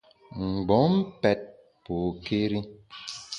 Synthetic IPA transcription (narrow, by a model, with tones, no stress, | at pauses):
ŋ̩˨ɡ͡bɔ˨˦m̩˦pɛ˦t̚ | po˨ke˦ɾi˦